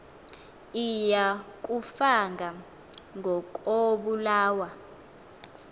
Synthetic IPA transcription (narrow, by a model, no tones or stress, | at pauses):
ijak̬ʼufaŋɡʱa | ŋʱɔk̬ʼoɓulaːwa